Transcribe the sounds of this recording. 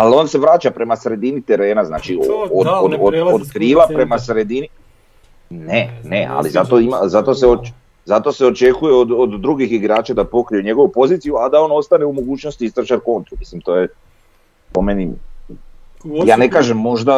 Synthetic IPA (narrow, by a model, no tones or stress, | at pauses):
ald̪o̞nse̞ʋɾaːt͡ʃapɾe̞masɾe̞d̪init̪e̞ɾe̞ːnazna̰ːt͡ʃiood̪od̪od̪od̪kɾiːlˠapɾe̞masɾe̞d̪ini | nenea̰lḭzat̪o̞imazat̪o̞seo | zat̪o̞se̞o̞t͡ʃe̞kujeod̪od̪ːɾuɡixiɡɾaːt͡ʃad̪apo̞kɾijuɲe̞ɡoʋupo̞ziːt̪sijuad̪ao̞ːno̞st̪aneumo̞ɡuːt͡ʃnost̪iist̪ɾot͡ʃaɾko̞nt̪ɾumislimt̪o̞ːje | po̞meni | jaːnekaːʒe̞mːo̞ʒd̪a